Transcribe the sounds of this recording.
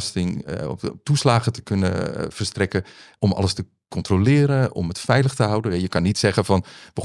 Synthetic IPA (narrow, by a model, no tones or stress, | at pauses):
stɪŋ̰tuslaːɣətə̥kɵnəfərstrɛkəʔɔmʔɑ̰ləstə | kɔntrolɪːɾənɔ̰mətfɛjləxtəɦʌwdəɛjəkɑnːitsɛɣəfɔnʋə